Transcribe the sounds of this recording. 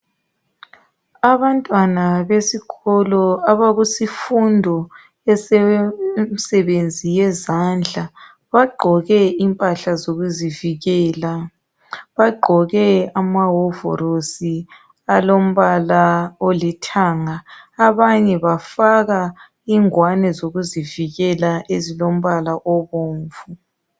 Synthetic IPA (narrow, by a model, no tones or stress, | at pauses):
aβantʼwanaβesiɣɔlɔaβaɣusifundʱɔ | ɛsɛmisɛβend͡zʱijɛzand͡ɮʱa | βaɡ͡ǃʱɔɣɛimpʼaɬazoɣuziviɣɛːla | βaɡ͡ǃʱɔɣɛamaɦɔvɔ̰ɾosi | alom̩βalaolɛtʰaːŋaaβaɲɛβafaɣa | iŋwanɛzoɣuziviɣɛlaʔezilom̩βalaʔɔβoːɱvu